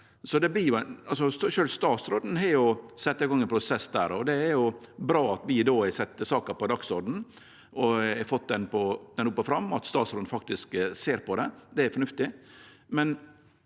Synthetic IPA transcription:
sɔd̪ɛblɪɾjʊɛnɑlsɔsʃøːlst̪ɑːt̪sɾoːd̪n̩ɦɛɾjʊsɛt̪ːɑɪɡɔŋːɛnpʰɾʊsɛsːd̪æːɾɔd̪ɛːɾjʊbɾɑːɑt̪ʋɪd̪oːɛsɛt̪ːəsɑːkəɾpɔd̪ɑksɔɾɖ̪ɳ̩ | ʔɔɛfɔt̪̚ːd̪ɛnpʰɔd̪̥ɛnʊpːəfɾɑmːɔɑt̪st̪ɑːt̪sɾɔːd̪n̩fɑk̚t̪ɪskseːɾpʰɔd̪ɛd̪ɛæɾfɔɳʉft̪ɪmɛn

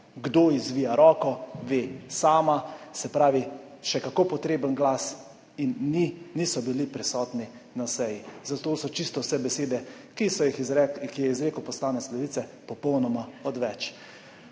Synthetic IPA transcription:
ɡd̪oːizʋiːjaɾɔːkɔʋeːsaːmasɛpɾaːʋiʃɛkakoːpɔt̪ɾeːbənɡlas | iniːisɔbilipɾɛsɔːt̪ni | nasɛjizat̪oːsɔt͡ʃist̪ɔwsɛbɛseːd̪ɛ | kisɔixkijɛizɾeːkəwpɔslaːnɛt̪slɛʋiːt̪sɛpɔpɔwnɔmaɔd̪ʋɛt͡ʃ

